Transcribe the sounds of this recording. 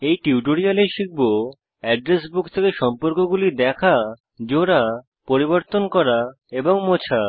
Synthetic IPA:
ejʈiuʈoɾialeʃik̚bo | ɛɖɾes̬bukt̪ʰekeʃɔmpoɾkoɡulid̪ɛkʰa | d͡ʑoɽa | poɾiboɾt̪onkɔɾa | eboŋmot͡ɕʰa

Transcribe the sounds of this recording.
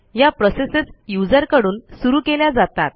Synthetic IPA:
japɾɔsesesjud͡zəɾkəɽuːnsuɾuːkeljad͡zat̪a̰t̪̚

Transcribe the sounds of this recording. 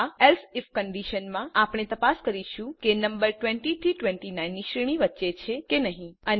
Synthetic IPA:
elsifkəɳɖiʃənmãapɳ̃et̪əpaskəɾiʃũkenəmbəɾʈʋẽɳʈiʈiʈʋẽɳʈinainːiʃɾiɽ̃ĩʋətːʃet͡ʃʰekenəɦĩən

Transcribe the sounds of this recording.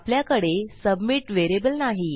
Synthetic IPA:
pljakəɽesəbmiːʈʋeɾebəlnaɦi

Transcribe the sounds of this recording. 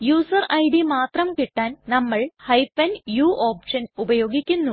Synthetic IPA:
juːsɐrɐjɽimaːt̪rɐmkiʈːaːnnɐmːɐɭhɐjpːɐnjuːʔoːpʂɐnubɐjo̞ːɡikʲːunːu

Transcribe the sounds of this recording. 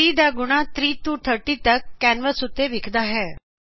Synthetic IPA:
iːd̪aɡuɽ̃at̪ɾiːt̪uʈ̪ʰəʈit̪əkːɛnʋəsut̪eʋikʰd̪aɦɛ

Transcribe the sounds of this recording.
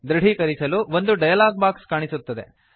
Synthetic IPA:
d̪ɾɐɽ̤ikɐɾisɐluːʋond̪uɖɐjɐlaːɡ̚baːkskaːɳisut̪ːɐd̪e̞̰

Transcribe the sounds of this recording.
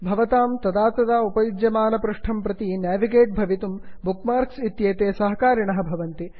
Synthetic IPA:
bʱɐʋɐt̪aːmt̪ɐd̪aːt̪ɐd̪aupɐjud̪jɐmaːnɐpɾuʂʈʰɐmpɾɐt̪injaːʋiɡeːʈ̚bʱɐʋit̪umbukmaːɾksit̪jeːt̪eːsɐɦɐkaːɾiɳɐɦɐ̆bʱɐʋɐnt̪i

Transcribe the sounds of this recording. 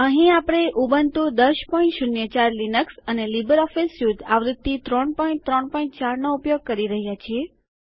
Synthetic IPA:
əɦĩapəɽ̃eʔubənt̪ũd̪əʃpɔĩɳʈʃʊnjət͡ʃaɾlinəksənelibəɾɔfesjud̪aʋɾɪd̪̚t̪ːit̪ɾɔɳpɔĩn̚t̪ɾɔɳpɔĩɳʈt͡ʃaɾnoupjoɡ̚kəɾiɾəɦjat͡ʃʰie

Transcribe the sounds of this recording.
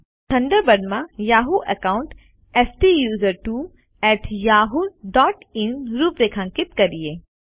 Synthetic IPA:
t̪ʰɐ̃ɳɖəɾbɐɖmãjaːɦuʔɛkaːʊɳʈ | ɛːsʈijuːzəɾʈuː | ɛːʈʰjaːɦuɖɔːʈinɾuːpɾekʰãŋkɪt̪kɐɾieː

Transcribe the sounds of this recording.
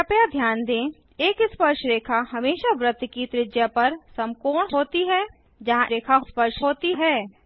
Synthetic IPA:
əpjad̪ʱjaːnd̪ẽː | eːkɪspəɾʃɾeːkʰaɦɐmeːʃaʋɾət̪kit̪ɾɪd͡ʒjapɐɾsɐ̃mkoːɳɦoːt̪iɦɛ | d͡ʒɐɦãɾeːkʰaspəɾʃɦoːt̪iɦɛː

